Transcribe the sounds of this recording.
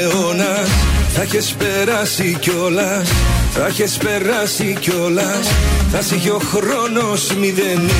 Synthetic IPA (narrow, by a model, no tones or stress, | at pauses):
onɐsθɐçespeɾɐsico̞lɐ | sθɐçespe̞ɾɐsico̞lɐsθɐsiʝeoxɾono̞smiðeni